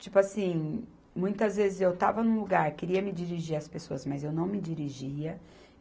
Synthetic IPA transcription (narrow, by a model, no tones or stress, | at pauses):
t͡ʃipʊasĩ | mũj̃t̪ɐzvezɪzewt̪avɐnũluɡaɾkeɾiɐmɪd͡ʒiɾiʒiɾɐspesoɐzmɐzewnɐ̃w̃mɪd͡ʒiɾiʒiɐ